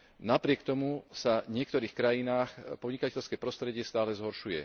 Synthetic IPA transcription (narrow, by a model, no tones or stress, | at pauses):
napɾɪɛkt̪ɔmusaɲɪɛk̚t̪ɔɾiːxkɾajinaːxpɔdɲikacɛʎskɛpɾɔst̪ɾɛɟɪɛst̪aːlɛzɦɔɾʃujɛ̰